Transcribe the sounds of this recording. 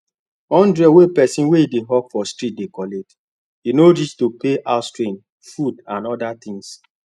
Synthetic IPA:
ɔ̃ndɹɛwepɛsĩnweideɦɔkfɔstɹit̚dekɔlet | inoɾistopeʔastɹĩn | fudãnɔdat̪ĩŋs

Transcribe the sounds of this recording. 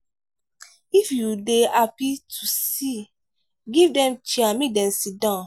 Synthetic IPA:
ifjudeapitʰusi | ɡivdɛ̃mt͡ʃiamidɛ̃nsidɔ̃

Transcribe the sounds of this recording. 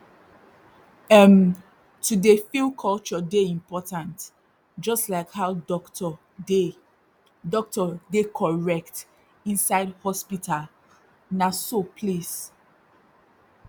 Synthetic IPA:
ɛm | tʰudefilkʰɔlt͡ʃɔdeĩmpɔtãnt | d͡ʒɔstlaɪkhaʊdɔktɔ | e | dɔk̚tɔdekʰɔɹɛk̚t | ĩnsaɪdhɔspitʰal | nasopʰlis

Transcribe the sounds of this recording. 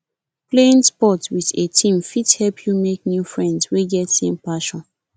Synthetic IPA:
pleĩnspɔtwiðetʰĩmfithɛlpʰjumek̚njufɹɛ̃ndsweɡɛtsẽmpaʃɔ̃n

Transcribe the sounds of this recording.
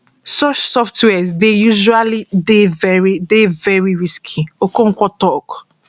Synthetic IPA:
sɔt͡ʃsɔftwɛzdejuʒualidevɛɹidevɛɹiɹiskʰiokõŋ̩kʷɔtɔk

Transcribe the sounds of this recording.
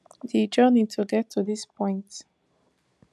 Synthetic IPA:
ðid͡ʒənid̚tʰuɡɛtʰːuðispʰɔ̃ɪ̃nt

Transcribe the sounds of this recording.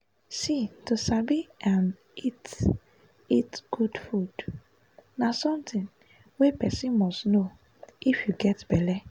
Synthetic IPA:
situsabiʔãn | it | itɡ̥udfud̥ | nasɔ̃mtĩn | wɛpɛsĩnmɔstno | ifjuɡɛtbɛlɛ

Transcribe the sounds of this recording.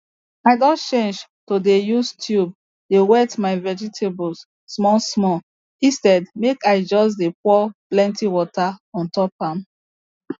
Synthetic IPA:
aɪdɔ̃t͡ʃẽnd͡ʒtodejustʰjub̚ | dewɛtmaɪvɛd͡ʒitʰebɔsː | mɔsmɔ | ĩstɛdmekaɪd͡ʒɔs̬depɔplɛ̃ntiwɔtaɔ̃ntɔpãm

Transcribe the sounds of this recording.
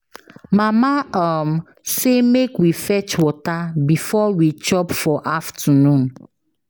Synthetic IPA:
mãmaam | semekwifɛt͡ʃwɔtabifɔwit͡ʃɔpfɔʔaftənũn

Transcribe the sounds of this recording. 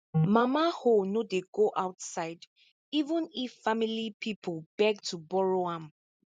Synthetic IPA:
mamahonodeɡoʔawtsaɪd | ivə̃niffamilipʰipʰɔlbɛk̚tʰubɔɹoãm

